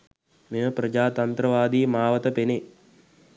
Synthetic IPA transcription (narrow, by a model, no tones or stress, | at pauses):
meməpɾɐd͡ʒaːt̪ɐnt̪ɾɐʋaːd̪iːmaːʋɐt̪ɐpene